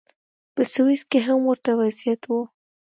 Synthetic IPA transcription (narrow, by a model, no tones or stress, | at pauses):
pəsʊwiskeɦamwəɾt̪awazjat̪wu